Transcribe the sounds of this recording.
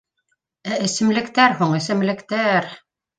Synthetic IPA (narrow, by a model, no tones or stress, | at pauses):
æɘ̆sɘ̆mlɘ̆kt̪æɾhuɴɘ̆sɘ̆mlɘ̆kt̪æɾ